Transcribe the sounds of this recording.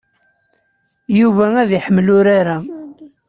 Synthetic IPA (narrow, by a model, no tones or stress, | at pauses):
juvææðiħəmːlʊɾaɾa